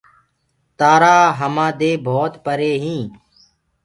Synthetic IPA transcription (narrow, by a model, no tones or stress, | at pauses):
t̪aːɾaːɦəmãːd̪eːbʱoːt̪pəɾeːɦĩː